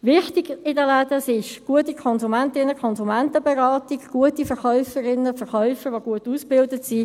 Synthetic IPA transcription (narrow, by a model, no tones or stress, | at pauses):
ʋɪχtiɡ̥ɪdəlæd̥əsɪʃɡ̥uətikʰɔnzumɛntɪnːəkʰɔnzumɛntəbeʁɑːtiɡɡ̥uətifɛɾχœʏfəɾɪnəfɛɾχœʏfəɾʋoɡ̥uətuːsb̥ɪldətsi